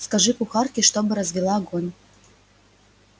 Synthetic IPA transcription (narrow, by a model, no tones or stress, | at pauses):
skɐʐɨpʊxɑrkʲɪʂt̪obɨɾɐzʲvʲɪlˠaɡonʲ